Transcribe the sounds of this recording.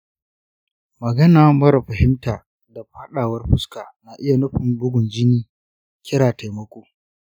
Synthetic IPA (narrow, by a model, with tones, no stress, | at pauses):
mɐ˨ɡɐ˦naː˨mɐ˦ɾɐ˨ɸɐ˨hɪ˦mtaː˨ | da˨ɸa˦ɗaː˨wɐ˦rɸʊ˦skaː˨naː˨ʔɪ˦ja˨nʊ˦ɸɪ˨mbʊ˦ɡʷʊ˨nd͡ʒɪ˦niː˦ | kʲʰɪ˦ɾaː˨ta˨jmɐ˦kʷoː˨